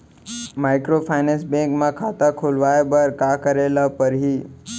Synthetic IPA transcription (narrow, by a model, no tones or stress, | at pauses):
maɪkɾopʰajnẽsbẽŋkmãkʰat̪akʰulʋaebəɾkakəɾelapəɾɦi